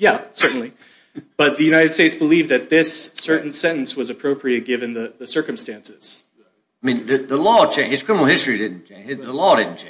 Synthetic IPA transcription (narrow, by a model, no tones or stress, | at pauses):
jæsɜ˞ʔn̩li | b̥ʌt̪̚ðɨjʉnaɪɾɨd̥steɪtsb̥əlivðɨt̪̚ðɪsːɜ˞ʔn̩sɛ̃ɾ̃n̩swʌzɨpʰɹ̥oʊpʰɹiɨt̚ɡ̥ɪvɨ̃nðɨðɨsɜ˞kɨ̃m̩stæ̃nsɪz̥ | amĩnðɨðəlɔt͡ʃʰɛhɨz̥kʰɹ̥ɪ̃mənl̩ˠhɪstɹ̥idɪdⁿn̩t͡ʃɛɪðəlɔdɾɪdⁿn̩t͡ʃɛ